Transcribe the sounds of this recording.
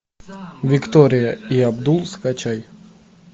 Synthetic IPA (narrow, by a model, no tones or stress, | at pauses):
vʲɪkt̪oɾʲɪjəiɐbd̪ulˠskat͡ɕaj